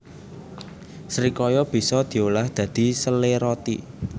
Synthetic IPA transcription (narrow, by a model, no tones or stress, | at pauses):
sɾikɔjɔb̥i̤sɔd̪̥i̤olahd̪̥ä̤d̪̥i̤səleɾɔt̪ḭ